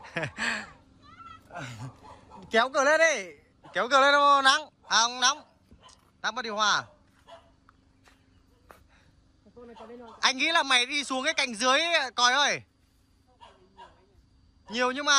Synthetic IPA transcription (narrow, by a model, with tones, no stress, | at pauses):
kɛ˨˦wkɨː˨˧˩le˧˥nɗi˧˩j | kɛ˨˦wkɨː˨˧˩le˧˥nɗna˨˦ŋ | ʔaː˨˩ʔə˧wna˨˦wŋ͡m | naː˧˦maː˨˩ɗhwaː˨˩ | ʔa˧jŋ̟ŋḭ˧˥laː˨˩ma˨˩jɗi˧su˨˦əŋkaː˨˦ka˨˧˩jŋ̟zɨ˨˦əjkɔ˨˩jʔəː˧˩j | ɲi˨˩əwɲɨ˧ŋŋ͡mmaː˨˩